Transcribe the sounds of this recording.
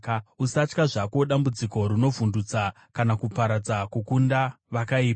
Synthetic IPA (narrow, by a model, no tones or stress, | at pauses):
usat͡ʃkaʐako̞ɗambud͡ziko̞ɾino̞vundut͡sa | kanakupaɾad͡zakukunda | ʋakaiːpa